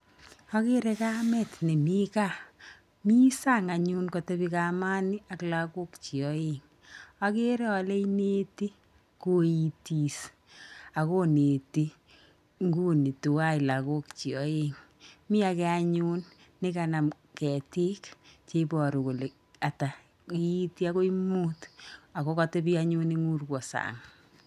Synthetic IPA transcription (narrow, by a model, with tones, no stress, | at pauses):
a˦ke˦ɾe˦ka˦mɛ˦tne˨mi˦ka˦˨ | mi˦sa˦ŋa˨ɲu˦nko˨te˦bika˨ma˦ni˦a˨kla˦ko˦kt͡ʃi˨ɔ˨je˦ŋ | a˦ke˦ɾɛ˦ɔ˨le˦ine˦ti˦ | ku˦i˨ti˨s | a˨ko˦ne˨ti˦ | ŋɡu˦ni˨tu˨wa˦i˨la˨ko˦kt͡ʃi˨ɔ˨˦e˦ŋ | mɪ˦a˧kɛ˦a˦ɲuː˦nː | ɪ˦ka˨na˨m | kɛ˨ti˦kt͡ʃe˦pɔ˨ɾu˨ko˨le˨ | a˨ta˨ | i˦i˦ti˦a˦ko˦i˦muː˦ta˨ko˦kate˦pi˦a˦ɲu˦ni˦ŋu˦rkwɔ˨sa̰ŋ